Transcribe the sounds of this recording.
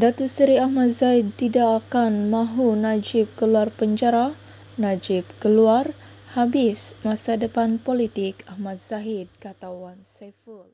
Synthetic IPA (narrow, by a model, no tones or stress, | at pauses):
dat̪usəɾiahmat̪̚zaid̪̚t̪idaʔːkanmaɦunad͡ʒɪp̚kəluarpəɲd͡ʒaɾah | nad͡ʒɪp̚kəluarhabɪsmasadəpanpolit̪ɪkahmat̪̚z̥aɦid̪̚kat̪awanseful